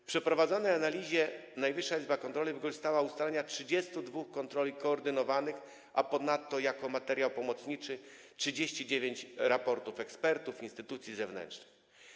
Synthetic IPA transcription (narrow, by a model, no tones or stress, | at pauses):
pʂɛpɾɔvad̪zɔnɛjanalʲiʑɛnajvɘʂːaizbakɔnt̪ɾɔlivɘkɔʐst̪awaust̪alɛɲatʂɘd͡ʑɛst̪ud̪vuxkːɔnt̪ɾɔlʲikɔːɾd̪ɘnɔvanɘx | ʔapɔnat̪ːɔjakɔmat̪ɛɾʲjawpɔmɔt̪sɲit͡ʂɘ | tʂɘd͡ʑeɕt͡ɕid͡ʑevʲjeɲt͡ɕɾapɔɾt̪ufɛkspɛɾt̪ufinst̪ɘt̪ut̪sʲjizɛvnɛ̰nt͡ʂnɘ̥x